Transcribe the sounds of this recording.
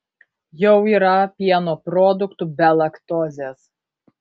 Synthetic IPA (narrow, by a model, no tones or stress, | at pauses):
jɛʊiːɾɐpʲiɛnoːpɾɔːd̪ʊkt̪ubʲɛlˠɐkt̪ɔːzʲeːs